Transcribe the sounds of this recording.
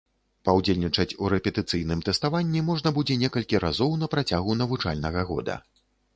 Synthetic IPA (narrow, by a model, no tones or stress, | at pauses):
pawd͡zʲelʲnʲit͡ʂɐt͡sʲuɾɛpʲɛt̪ɨt̪sɨjnɨmt̪ɛst̪avanʲːimɔʐnɐbud͡zʲɛnʲɛkɐlʲkʲiɾʔa̰zɔwnɐpɾat͡sʲaɣun̪ɐvut͡ʂa̰lʲnɐɣɐɣɔ̰d̪ɐ̰